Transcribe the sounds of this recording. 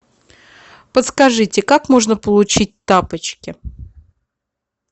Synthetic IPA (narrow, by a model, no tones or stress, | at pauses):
pət̪skɐʐɨtʲɪkakmo̞ʐnəpəlˠʊt͡ɕit̚ʲt̪apət͡ɕkʲɪ